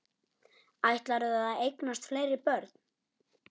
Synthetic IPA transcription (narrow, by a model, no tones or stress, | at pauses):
ajht̪laɾʏðaðaðejknast̪fleːjɾɪpœɾt̪n̥